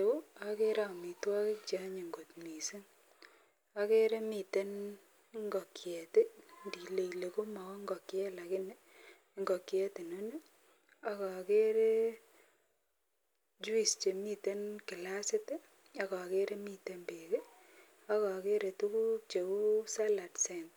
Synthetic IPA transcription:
e˨u˦a˦ke˦ɾa˦˨mi˨twa˦ke˦k̚t͡ʃa˦ɲe˨ŋɡo˨tmi˨se˦ŋ | a˦ke˦ɾe˦mi˨te˦n | ŋɡɔ˨kjɛ˨te˦ndi˨le˨ile˨ko˦ma˨kɔ˦ŋɡɔ˨kjɛ˦la˨kɪ˦ne˦ | ŋɡɔ˨kjɛ˦te˨no˦ne˦ | a˦ka˨ke˦ɾe˦ | d͡ʒu˦i˨st͡ʃe˨mi˦te˦nkɪ˨la˦sɪ˦te˦ | a˦ka˨ke˦ɾʔe˦mi˦te˦mbe˨ke˦ | a˦ka˨ke˦ɾe˨tu˦ku˦t͡ʃe˨ku˦sa˦la˨tse˨nt

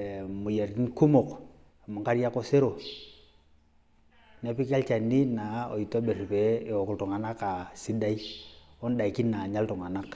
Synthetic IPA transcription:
mu˨je˨ɾti˦nku˦mo˨k | mu˨ŋka˦ɾija˦ko˦se˦ɾo˨ | nɛ˦pi˦ka˦lt͡ʃa˨nːi˦na˨o̰˨i˨tɔ˦be˨ɾi˨pɛ˨˦e˨ɔ˨ku˨ltu˨ŋa˨na˦ka˨si˦da˦i˦ɔ˦n˦da˨i˨ki˦nnːa˨ɲa˦ltu˨ŋa˨na˦k

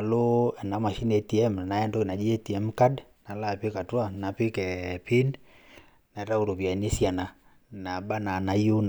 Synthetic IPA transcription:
a˨lo˦ɛ˨na˨˦ma˨ʃi˦nɛ˨ti˨ɛ˦m˨na˨ɛ˦ndo˦na˨d͡ʒi˦ɛ˦ti˨ɛ˨˦mka˦dna˨˦la˨pi˦ka˨twa˦na˨pi˦kɛ˨pi˦n | na˨˦ɾa˦u˨ɾo˨pja˨ni˦sja˨na˨ | na˨ba˦na˨na˨jo˦n

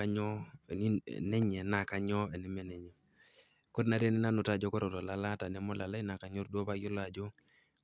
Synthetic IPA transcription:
a˦ɲɔ˦˨nḭ˦nɛ˦ɲɛ˨na˨ka˦ɲɔ˦ɛ˨ni˦mɛ˦nɛ˨ɲɛ˨ | kɔ˦dna˦ɾɛ˦˨ni˦na˦nʊ˨ta˨d͡ʒɔ˦kɔ˦ɾɔ˨tɔ˨la˨˦la˦ta˨nɛ˨˦mɔ˦la˨la˦i˦na˨ka˨˦ɲɔ˦ɾdu˦ɔ˦ba˦jɔ˦la˨d͡ʒɔ˦

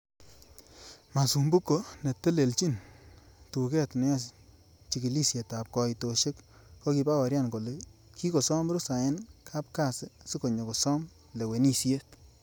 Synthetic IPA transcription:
ma˨su˨mbu˦kːo˨ne˨te˦le˨lt͡ʃi˦n | tu˨kɛ˦tnɛ˨˦a˦s | t͡ʃi˨ki˨li˦sje˨ta˨p̚kɔ˨i˨to˨ʃɪ˦k | ko˦ki˨˧pa˦wa˨ɾja˦˨nko˨le˨ki˦ko˨sɔ˦mɾʊ˦sa˨ɪ˦nkʰa˦p̚ka˦˨sɪ˨si˦ko˨ɲo˨kɔ˨sɔ˦m | le˨we˨ni˦sje˦t

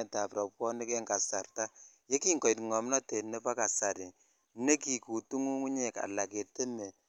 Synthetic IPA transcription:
ɛ˨ta˨pɾɔ˨p̚kɔ˦ni˦kɛ˦ŋka˨sa˨rta˦je˦ki˦ŋkɔ˨i˨tŋɔ˨m˦nɔ˦te˨nɛ˦pa˦ka˨sa˨ɾɪ˨ | ne˦ki˨ku˨tu˦ŋu˦ŋu˦ɲɛ˨ka̰˨la˨ke˨te˦ne˨

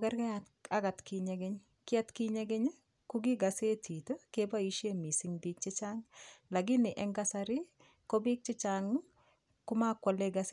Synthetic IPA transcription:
kɛ˦ɾkɛ˦at | a˦ɡa˨tki˨ɲɛ˦ɡɛ˦ɲ | kɪ˦a˦tki˦ɲɛ˦ɡɛ˦ɲ | ku˦ɡi˦ɡa˨se˦tʰi˨to˦keba˦i˦ʃe˦mi˨sɪŋbik̚t͡ʃɪ˦t͡ʃaŋla˨ɡɪ˦nɪ˨ʔɛ˦ŋɡasaɾɪ˦ | kɔ˦bi˦k̚t͡ʃɪ˦t͡ʃaŋ | kʊ˦ma˦kwɔ˨leɡas

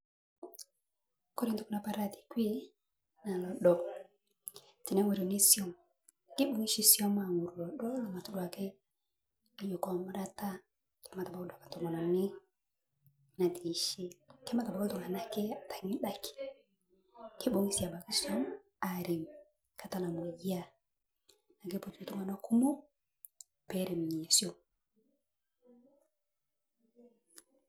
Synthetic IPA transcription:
kɔ˦ɾi˦˨tu˨ku˦na˨pa˦ɾa˦˨ti̥˨kwi˦ | na˨lɔ˨ɗɔ˨ | ti˨na˦ŋwe˨ɾɔ˨ni˦sjɔ˦m | ki˦ɓu˨ŋi˦ʃi˦sjɔ˦ma˨ŋu˨ɾu˨lɔ˨ɗɔ˦lɔ˨ma˨tu˦dwa˨kɛ˦˨ | jo˨kɔ˨mʊ˦ɾa˦ta˦ | kɛ˨˦ma˨ta˨ba˦ku˦da˨kḁ˨tɔ˨ŋa˨nɔ˨ni˦ | na˨ti˨ʃi˦kɛ˦ma˦ta˨ba˦ko˦tɔ˨ŋa˨na˦kɛ˦a˨ta˨ŋi˦ɗa˦ki̥˨ | ke˦ɓo˨ŋi˦si˨a˨ba˨ka˦ʃa˦n | a˨ɾi˨m | kʰa˨ta˦na˨mu˨ɡi˦a˦˨ | na˨ke˦po˨tu˨u˨tu˦ŋa˨na˦ku˦mo˦ | pɛ˦ɾe˨mi˨ɲi˨a˨sjɔ˦˨

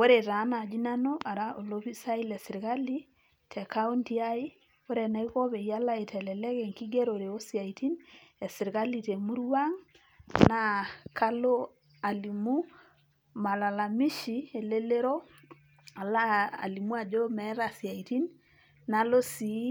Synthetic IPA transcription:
wo˦ɾe˨ta˨˦na˨d͡ʒi˦na˦no˦ʔa˨ɾa˦ʔo˨lo˦pi˦sa˦i˦lɛ˨sɪ˨ɾka˦li˦ | tʰɛ˨ka˦u˦nti˦a˦i˦ | wo˦ɾe˨na˦i˦ko˦βe˨ja˦la˦e˨tɛ˨lɛ˨lɛ˦kɛ˨ŋki˦ɡe˦ɾo˨ɾe˨o˦sja˨iti˦nɛ˨sɪ˨ɾka˦li˨te˨mu˦ɾwa˦ŋ | na˨ka˦lo˦ | a˨li˨mu˦ | ma˨la˨la˨mi˦ʃi˨e˨le˦le˦ɾo˦ | a˨la˦a̰˨li˨mu˦a˨d͡ʒo˦mɛ˨˦ɾasja˨iti˦n | na˨lo˦si˨˦

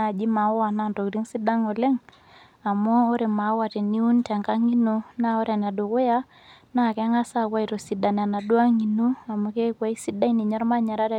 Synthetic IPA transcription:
a˦˨d͡ʒi˦ma˨˦a˨na˦˨nto˨kɾi˦ŋsi˦da˦ŋɔ˨le˦ŋ | a˨mɔː˦ɾe˨ma˨˦wa˨te˨ni˦u˦ntɛ˨ŋka˦ŋi˦nu˦na˦o˦ɾa˨na˨do˨kʊ˦ja˦ | na˦˨kɛ˦ŋa˦sa˦˨kwa˦i˨ɾo˨si˨da˨n˨a˨na˨du˦a˦ŋi˨nu˦a˨mo˦ke˦kwa˦i˦si˦da˦i˦ni˨ɲɔ˦ɾma˦ɲa˨ɾa˦ɾ

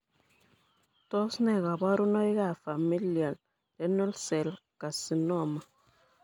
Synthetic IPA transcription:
to˦snɛ˦˨ɣa˨ba˦ɾu˦no˦jɣa˦˨fa˨mi˦li˨a˨l | dɛ˦no˦lsɛ˨lka˨si˨nɔ˦˨ma˨

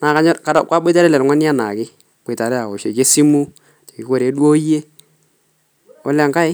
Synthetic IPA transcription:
na˨ka˦ɲɔ˦ka˦a˦˨kʷwa˦bɪ˦ta˦ɾɛ˦lɛ˨lŋʷwa˦n˦a˦na˨kɪ˦ | b̥e˨ta˨ɾɛ˦a˨ɔ˨ʃe˨ke˦si˦mu˦˨ | t͡ʃe˨kɪ˦kɔ˦˨ɾe˨˦dwo˦je˦ | ɔ̰˦la˨ŋka˦ɪ˦

